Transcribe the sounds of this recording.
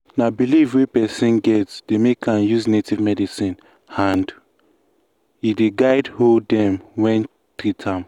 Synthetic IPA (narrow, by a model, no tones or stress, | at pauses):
nabilivwipɛsĩnɡɛtsd̥emekʰãnjuznetivmɛdisĩn | ãnd | ideɡaɪdholddɛ̃mwɛ̃n | tɾitʰãm